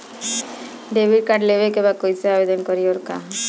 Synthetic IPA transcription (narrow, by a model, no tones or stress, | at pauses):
ɖebiɖ̚kaɖlebekebakojseabed̪ɔnkɔɾioɾka